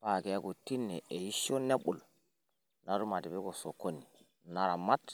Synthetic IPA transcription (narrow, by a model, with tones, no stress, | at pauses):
pa˨kɛ˨ja˦ɡo˨ti˦nːɛ˨ʔe˨ji˦ʃo˦ne˦ɓu˨l | na˨ɾu˦ma˨ti˨bɛ˦ko˨so˨ko˦ni˨ | na˨ɾa˨ma˦t